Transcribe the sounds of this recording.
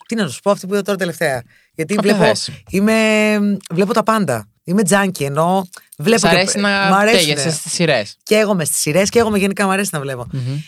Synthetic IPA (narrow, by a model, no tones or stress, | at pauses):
t̪inɐt̪osu̥po̞ɐft̪ipuiðot̪oɾɐt̪e̞le̞ft̪e̞ɐ | ʝɐt̪ivlepoime̞ | vle̞po̞t̪ɐpɐnd̪ɐ̰ | ime̞d͡zɐɲcieno̞ | vle̞p̬oɾesinɐmɐɾeeʝesest̪i̥siɾesceeɣo̞me̞st̪i̥siɾe̞sceeɣo̞meʝe̞nikɐmɐɾe̞sinɐvle̞po̞